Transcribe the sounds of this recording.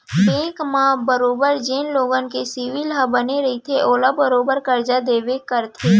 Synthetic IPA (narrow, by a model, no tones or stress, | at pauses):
pẽːkmãbəɾoːbəɾd͡ʒeːnloːɡənkesiʋilɦəbəneɾɐɦit̪ʰeʔoːlabəɾoːbəɾkəɾd͡ʒad̪eːʋekəɾt̪ʰeː